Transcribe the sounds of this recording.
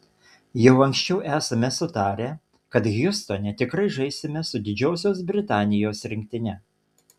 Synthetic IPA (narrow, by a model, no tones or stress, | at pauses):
jɛʊɐŋʲksʲt͡ʃʲɛʊʔæːsɐmʲɛsʊt̪ɑːɾʲeː | kɐt̪ɣʲjʊst̪onʲɛt̪ʲɪkɾɐɪʒɐɪsʲɪmʲɛsʊd̪ʲɪd͡ʒʲoːsʲoːs̬bʲɾʲɪt̪ɑːnʲɪjoːsɾʲɪŋʲk̚ʲt̪ʲɪnʲɛ